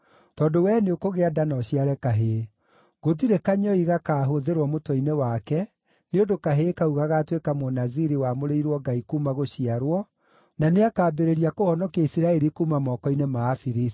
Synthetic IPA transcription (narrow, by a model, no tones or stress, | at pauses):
tɔdowɛneokoɣeadanɔɕiaɾɛkaɦe | ɣotiɾekaɲɔiɣakaːɦoðeɾwɔmotwɔinewakɛ | neondokaɦekauɣaɣatwekamonaziɾiwamoɾeiɾwɔɡaikumaɣoɕiaɾwɔ | naneakaːbeɾeɾiakohɔnɔkaisiɾaɛɾikuːmamɔːkɔinemaːfiɾis